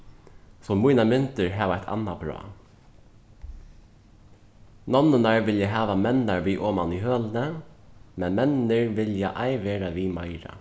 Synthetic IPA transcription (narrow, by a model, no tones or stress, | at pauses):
sɔmujnamʏnt̪ɪɹɦɛːʋaajt̪ʰa̰nːabɾɔ̰ː | nɔnːənaɹʋɪljaɦɛːʋamɛnːaɹʋiːʔɔːmaniɦøːlnəmɛnmɛnɪɹʋɪljaʔaɪʋeːɾaʋiːmaɪɾa̰